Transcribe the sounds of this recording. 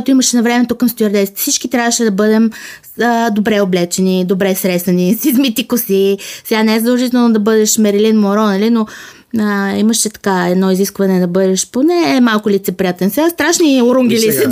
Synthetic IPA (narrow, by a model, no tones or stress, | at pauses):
t̪oimɐʃɛnɐvɾɛmɛt̪okːɐmst̪oɐɾd̪ɛst̪fsit͡ʃkit̪ɾʲavəʃɛd̪ɐbɤd̪ɛm | əd̪obɾɛoblɛt͡ʃɛnid̪obɾɛsɾɛsɐnisizmit̪ikosisɛɡanɛɛzəd̪ɐlˠʒit̪ɛlnod̪ɐbɤd̪ɛʃmɛɾɛlinmoɾɔnɐlino | əiməʃɛt̪ɐ̥kaɛd̪nɔiziskvɐnɛd̪ɐbɤd̪ɛʃponɛːmalˠkʊlit̪sɛpɾʲijat̪ɛnsɛɡast̪ɾaʃnioɾuŋɡʲilis